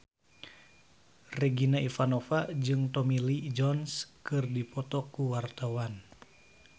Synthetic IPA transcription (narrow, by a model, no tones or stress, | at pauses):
rɛɡinaifanɔfad͡ʒɨŋt̪ɔmilid͡ʒɔnskɨrdipɔt̪ɔkuwart̪awan